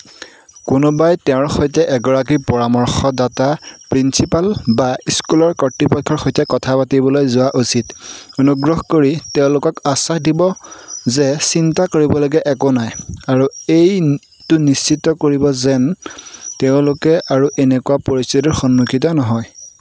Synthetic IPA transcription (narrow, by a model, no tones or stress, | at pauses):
kʊnʊbajtɛʊ̃ɹxojtɛʔɛɡɔɹak̬ipɔɹamɔɹxɔdatapɹinsipalbaiskulɔɹkɔtɹipɔkʰːɔɹxɔjtɛkɔtʰapatibɔlojzʊwaʔusitonuɡɹɔxkoɹiteʊ̃lʊkɔkasaxdibɔzɛsintakoɹibɔlɔɡɛʔɛkʊnajaɹuej | tʊnist͡ʃitːɔkoɹibɔzɛnteʊ̃lʊkɛʔaɹuʔenɛkʊwapoɹistitɔɹxɔnːukʰit̬ɔnɔɦɔj